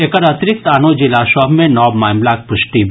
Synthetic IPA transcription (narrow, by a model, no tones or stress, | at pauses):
ekəɾɐt̪ɪɾɪk̚t̪aːnod͡ʒɪlaʃɔbmẽnɔːbmaːmlaːk̚pʊʃʈib